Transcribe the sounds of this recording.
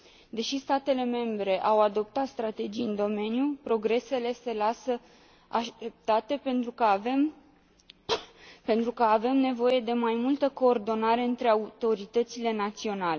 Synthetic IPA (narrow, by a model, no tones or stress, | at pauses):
d̪e̞ʃist̪at̪e̞le̞me̞mbɾe̞ʔawad̪o̞p̚t̪at̪st̪ɾat̪e̞d͡ʒijɨnd̪o̞me̞njupɾo̞ɡɾe̞se̞le̞se̞lasə | aʃt̪ep̚t̪at̪e̞pent̪ɾukəvem | pe̞nt̪ɾukəave̞mne̞vo̞je̞d̪e̞majmult̪əko̞ːrd̪o̞naɾe̞ɨnt̪ɾe̞aut̪o̞ɾit̪ət̪sile̞nat̪sio̞nale̞